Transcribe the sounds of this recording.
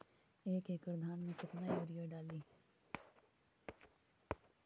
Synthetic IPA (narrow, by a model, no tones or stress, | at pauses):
eːkeːkpɾəd̪ʱaːnmẽkɪt̪najoːɾijaɖaːliː